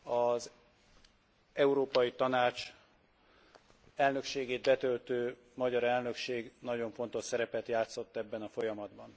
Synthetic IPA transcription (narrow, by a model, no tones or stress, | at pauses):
ɒz | ɛuɾoːpɒjit̪ɒnaːt͡ʃ | ɛlnø̞kʃeːɡeːd̪̚bɛt̪ølt̪øː | mɒɟɒɾɛlnø̞kʃeːɡnɒɟo̞ɱfo̞nt̪o̞ʃsɛɾɛpɛt̪jaːt̪so̞t̪ːɛbːɛnɒfo̞jɒmɒd̪bɒn